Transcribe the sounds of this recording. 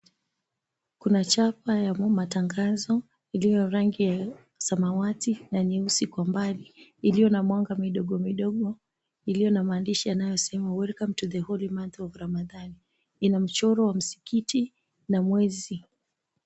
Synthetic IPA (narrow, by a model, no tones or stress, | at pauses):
kunat͡ʃapajamataŋɡazɔ | ilijɔɾaŋɡija | samawatinaniusikwambaliːlijɔnamwaŋɡamiɗɔɠɔmiɗɔɠɔ | ilijɔnamaːndiʃianajɔsɛmawɛɾkam̩tuðɛhɔlimanθɔvuɾamaðani | inam̩t͡ʃɔɾɔwam̩si̥kiti | namwɛzi